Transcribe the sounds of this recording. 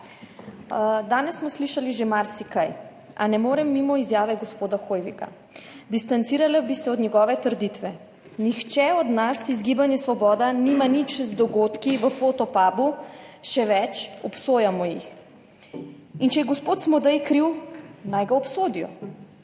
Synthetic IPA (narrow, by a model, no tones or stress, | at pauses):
d̪aːnɛsːmɔsliʃaliʒemaɾsikaj | anɛmoːɾɛmːimɔizjaːʋɛɡɔspoːd̪axoːjʋika̰ | d̪ist̪ant̪siːɾalabisɛɔd̪nɲɛɡɔːʋɛt̪əɾd̪it̪ʋɛ | nixt͡ʃɛɔd̪nasizɡiːbanjɛsʋɔbɔːd̪animanit͡ʃzd̪ɔɡot̪kiʋəfoːt̪ɔpaːbuʃɛʋɛt͡ʃɔpsoːjamɔjix | int͡ʃɛjɛɡɔspoːt̪smɔd̪ɛjkɾiwnajɡaɔpsoːd̪ijɔ̰